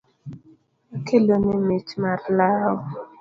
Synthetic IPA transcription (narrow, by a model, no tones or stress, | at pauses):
kʰelonɪmet͡ʃmaɾlaɔ